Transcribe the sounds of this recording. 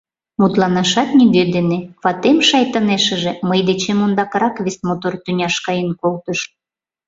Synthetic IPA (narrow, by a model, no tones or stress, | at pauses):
mut̪lɑnɑʃɑt̪nʲiɡød̪eneβɑt̪emʃɑjt̪əneʃə̆ʒĕməjd̪et͡ɕemond̪ɑkɾɑkβʲesmot̪ort̪ynʲɑʃkɑjənkolt̪əʃ